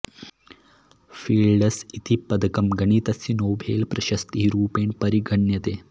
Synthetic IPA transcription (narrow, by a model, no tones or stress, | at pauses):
fiːlɖəsit̪ʰipɐd̪ɐkɐmɡɐɳ̃iːt̪ɐsjinoːbʱḛːlpɾɐʃɐst̪iɦiɾuːpeːɳpɐɾiɡʱɐɳjɐt̪eː